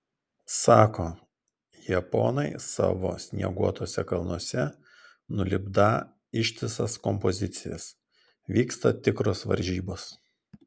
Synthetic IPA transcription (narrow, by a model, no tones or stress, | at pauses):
sɑːkoː | jɛpo̰ːnɐɪsɑ̰ːʋo̰ːsʲnʲḭɛɡuɔt̪oːsʲɛkɐlˠnuɔsʲɛ | nʊlʲɪbd̪ɑ | ɪʃʲt̪ʲɪsɐskɔmpɔzʲɪt̪sʲɪjɛs | ʋʲiːkst̪ɐt̪ʲɪkɾoːsʋɐ̰ɾʲʒʲiːboːs